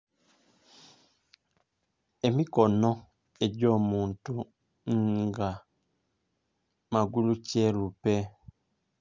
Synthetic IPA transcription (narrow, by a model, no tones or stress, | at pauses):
emikɔnɔ | eɟɔmuntu | ŋɡa | maɡulut͡ʃɛlupɛ